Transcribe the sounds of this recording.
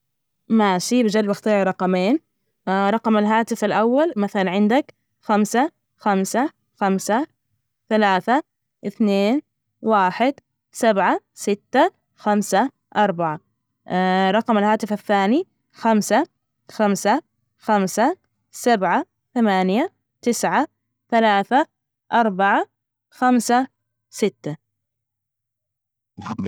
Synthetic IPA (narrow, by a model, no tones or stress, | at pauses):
maːʃibɪd͡ʒalbaxt̪ˤiːʕɾˤɑqɑmeːn | ɾˤɑqɑmalɦaːt̪ɪfalʔawːalmaθalanʕɪnd̪ak | xamsa | xamsa | xamsa | θalaːθa | ʔɪθneːn | waːħɪd̪ | sabʕa | sɪt̪ːa | xamsa | ʔɑɾˤbaʕa | ɾˤɑqɑmalhaːt̪ɪfaθːaːni | xamsa | xamsa | xamsa | sabʕa | θamaːnja | t̪ɪsʕa | θalaːθa | ʔɑɾˤbaʕa | xamsa | sɪt̪ːa